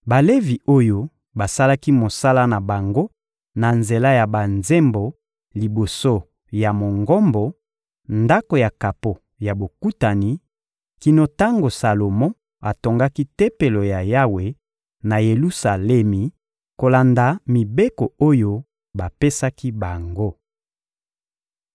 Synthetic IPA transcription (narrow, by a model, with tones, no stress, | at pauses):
ba˨le˦vi˨o˦jo˦ | ba˨sa˦la˦ki˦mo˨sa˦la˦na˨ba˨ŋɡo˦ | na˨nze˨la˦ja˨ba˨nze˦mbo˨ | li˨bo˨so˦ | ja˨mo˨ŋɡɔ˦mbɔ˨ | nda˦ko˨ja˨ka˨po˨ | ja˨bo˨ku˦ta˨ni˨ | ki˨no˨ta˦ŋɡo˨sa˨lo˨mo˦ | a˨to˨ŋɡa˦ki˦te˦pe˨lo˨ja˨ja˦we˨ | na˨je˨lu˦sa˨lɛ˦mi˨ | ko˨la˨nda˨mi˨be˦ko˨o˦jo˦ | ba˨pe˦sa˦ki˦ba˨ŋɡo˦